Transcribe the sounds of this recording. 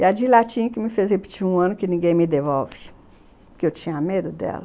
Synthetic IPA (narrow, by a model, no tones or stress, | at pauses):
ɐd͡ʒilat͡ʃĩkɪmɪfezhepi̥t͡ʃiɾũɐ̃nʊkɪnĩɡẽj̃mɪd̪evɔwvɪ̥ | keewt͡ʃĩɲɐamed̪ʊd̪ɛ̰lɐ